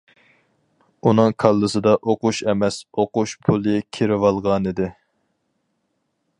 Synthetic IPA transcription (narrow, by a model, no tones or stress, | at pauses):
unɨŋkʰɑlˠːɨsɨd̪ɑʔoqʊʃɛmɛsoquʃpʰulˠɨkʲʰiɾɪwɑlˠʁɑnid̪ɪ